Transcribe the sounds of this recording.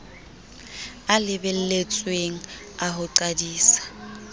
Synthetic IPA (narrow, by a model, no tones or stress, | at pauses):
alɪbɛl̩let͡sʼweŋ̩ | aɦʊǃadiːsḁ